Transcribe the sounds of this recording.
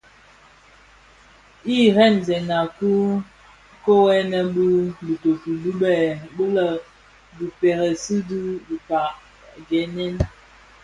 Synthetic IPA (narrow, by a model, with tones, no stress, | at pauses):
i˦ɾɛ˦˨n˨zɛ˨na˨ku˦ | ko˦wɛ˦nə˦bi˦bi˨to˨pu˨lu˦bɛ˨bə˦lə˨ | bi˨pɛ˨ɾə˨si˦di˦bi˨pa˨ | ɡɛ˨˦nɛ˦n